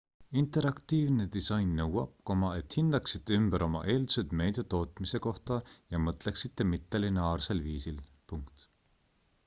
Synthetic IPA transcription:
int̪e̞ɾɑkt̪iːvned̪̥isɑjnːɤwɑb̥̚ko̞mɑet̪hind̪̥ɑksit̪ːeymb̥əɾʔo̞mɑ̰ʔe̞ːld̪u̥sed̪̥me̞jd̪̥et̪o̞ːt̪ˑmise̞ko̞ht̪ɑjɑmɤt̪ˑleksit̪ːˑe̞mit̪ːˑɑlinɑːrse̞lviːsil | puŋkt̪

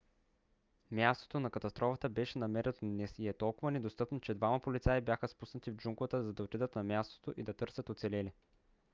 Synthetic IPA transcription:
mʲjast̪o̥t̪onɐkɐt̪ɐst̪ɾʔɔfət̪əbɛʃɛnɐmɛɾɛd̪nɛsiɛt̪ɔlˠkʊvənɛd̪ost̪ɤpnot͡ʃɛd̪vamɐpolit̪saibjaxəspusnət̪ivd͡ʒuŋklˠət̪əzɐd̪ɐot̪id̪ət̪nɐmʲjast̪o̥t̪oʔid̪ɐt̪ɤɾsʲət̪ot̪sɛlɛlɛ

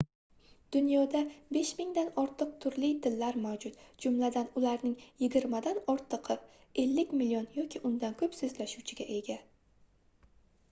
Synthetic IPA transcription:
d̪̥ʊnjɒd̪abe̞ʃmɪŋd̪anɒɾt̪ʰɨq̚t̪ʰʊɾlɪjt̪ʰɪlːaɾmawd͡ʒʊt̪d͡ʒʊmlad̪anʊlaɾnɪŋjɪɡʲɪɾmad̪anɒɾt̪ʰɨqʰɨp | e̞lːɪkʲmɪlijonjɒkʲʰɪʔʊnd̪ankʰɵpsɵzlaʃuwt͡ʃʰɪɡʲaʔe̞ɡʲa

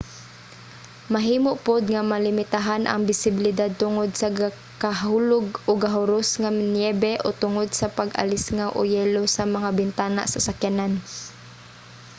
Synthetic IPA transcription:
maɦiːmoʔpʊd̪ŋamalɪmɪt̪aɦanʔa̰ŋbɪsɪbɪlɪd̪ad̪̚t̪ʊŋod̪saɡa | kaɦuːlʊɡʔoɡaɦʊɾʊsŋanjɛbɛʔot̪ʊŋod̪̚sapaɡa̰lɪsŋawʔo̰jɛːlosamaŋabɪnt̪aːna̰ʔsasakjanan

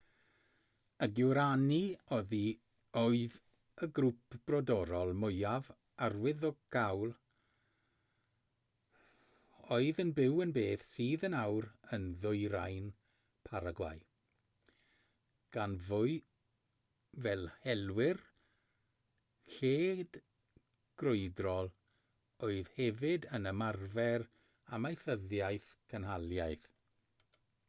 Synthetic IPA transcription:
əɡuɾaniɔði | oɨð | əɡɾupb̥rɔdɔɾɔlˠmʊjav | arwɪðɔɡ̥awlˠ | oɨðənbɪwənbeːθsiːðənawɾənðʊjɾa̰jn | pʰaɾaɡwa̰j | ɡ̥anvʊɨ | vɛlˠhɛlwɪr | ɬeːd̥ | ɡ̥rʊɨdrɔlˠ | oɨð̥hɛvɪdənəmarvɛr | amajθəðjajθkʰənɦalˠjajθ

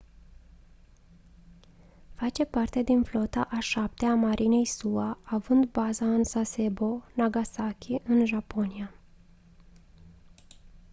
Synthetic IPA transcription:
fat͡ʃe̞part̪e̞d̪inflo̞t̪aʔaʃap̚t̪eamaɾʔine̞jsuaːvɨnd̪bazaɨnsase̞bo̞naɡasakʲiʔɨnʒapo̞nia

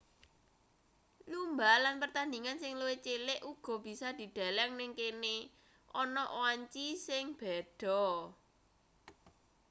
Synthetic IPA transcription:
lumbalanpərt̪and̪iŋansɪŋluwet͡ʃelɪʔuɡ̥ɔ̤b̥i̤sɔd̪̥i̤d̪̥a̤lɛŋnɪŋkene | ʔɔnɔʔwaɲt͡ʃisɪŋb̥ɛ̤d̪̥ɔ̤

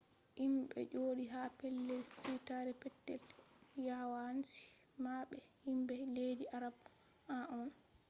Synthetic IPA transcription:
himɓɛ̰d͡ʒoːdiɦapɛlːɛlsitaɾɛpɛtːɛ̰l | jawansi̥ | maɓɛhimbɛlediʔaɾab | aʔɔn

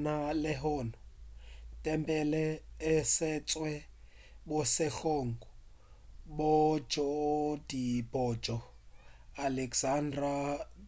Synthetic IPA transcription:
nalɪɦɔːnɔ | tʼɛmpʼɛlɛːsɪt͡sʼwɛ | bʊsɪɬoːŋɡɔ | bod͡ʒɔdibɔd͡ʒɔ | alɛksandra

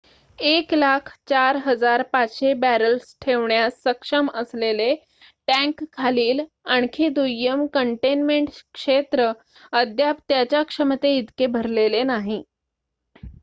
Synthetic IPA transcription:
eklakʰt͡ɕaɾɦəd͡zaɾpat͡sɕebæɾəlsʈʰeʋɳjasːəkʂəməslele | ʈæ̃ŋkʰːaliːl | aɳkʰid̪ujːəmkəɳʈenmeɳʈkʂet̪ɾə | əd̪ʱjap̚t̪jat͡ɕjakʂəmət̪eid̪kebʱəɾlelenaɦi

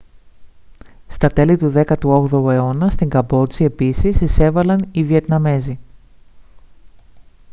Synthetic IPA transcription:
st̪ɐt̪e̞lit̪uðe̞kɐt̪uo̞ɣðoe̞o̞nɐst̪iŋɡɐbo̞t͡sie̞pisisise̞vɐlɐnivie̞t̪nɐme̞zi

